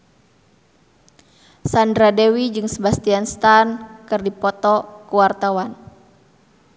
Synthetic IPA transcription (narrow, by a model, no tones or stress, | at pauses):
sandɾadewid͡ʒɨŋsəbast̪ianst̪ankɨrdipɔt̪ɔkuwart̪awan